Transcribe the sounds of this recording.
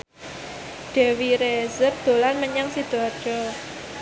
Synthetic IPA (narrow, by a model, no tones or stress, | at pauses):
ɖ̪̥ɛ̤wiɾezərd̪̥o̤lanməɲaŋsid̪̥ḁd͡ʒ̥ɔ